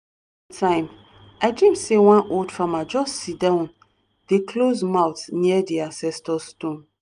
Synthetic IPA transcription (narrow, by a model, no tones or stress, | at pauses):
tʰãɪ̃m | aɪdĩmsewãnʔoldfamad͡ʒɔssidãʊ̃n | d̥ekʰlozmawtniɛdiãnsɛstɔstõn